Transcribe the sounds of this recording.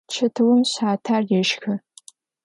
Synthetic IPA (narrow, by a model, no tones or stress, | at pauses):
t͡ʃʰɐtʰɨwʊmɕaːtʰaːrjɛʃxɐ